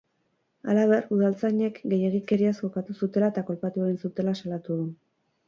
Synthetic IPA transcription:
alaβ̞e̞ruð̞alt͡sajɲe̞kɡe̞je̞ɣike̞ɾiasko̞kat̪usut̪e̞laet̪ako̞lpat̪ueɣinsut̪e̞lasalat̪uðu

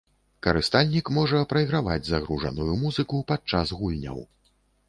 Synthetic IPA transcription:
kɐɾɨst̪alʲnʲikmɔʐɐpɾɐjɣɾava̰d͡zʲzaɣɾuʐɐ̰nujumuzɨkupat͡ʂazɣulʲnʲɐ̰w

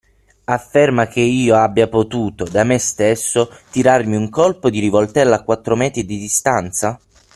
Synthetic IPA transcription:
afːermak̟eiːoabːjapot̪uːt̪od̪amest̪esːot̪iɾarmiuŋkolpod̪iɾivolt̪ɛlːaːkːwat̪ːɾomɛːt̪ɾid̪id̪ist̪ant̪sa

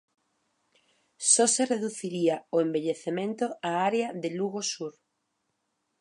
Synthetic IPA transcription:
sɔsereðuθiɾiaoẽmbeʎeθemẽnt̪oaaɾeaðeluɣosuɾ

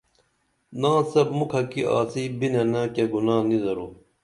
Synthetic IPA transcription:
nãːsɐbmukʰɐkiʔa̰ːsibinɐnaːkeɡunaːnizɐɾuː

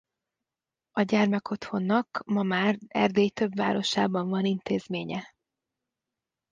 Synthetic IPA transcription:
ɒɟɛrmɛko̞t̪ho̞nːɒkmɒmaːrɛ̰rd̪eːjt̪øbvaːɾo̞ʃaːbɒɱvɒnint̪eːzmeːɲɛ

